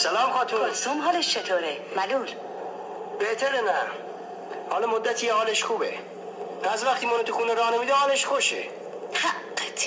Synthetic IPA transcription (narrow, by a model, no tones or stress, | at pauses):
sælɒːmxɒːt̪ʰusumɦɒːleʃt͡ʃʰet̪ʰoːɾemæluːl | b̥eʔt̪ʰæɾenæ | hɒːlɒmod̪ːæt̪ʰiːehɒːleʃxuːbḛ | æzvæχt̪ʰiːmɒːnot̪ʰuxuːneɾɒːnemiːd̪ehɒːleʃxoʃḛ | hḁt̪ʰ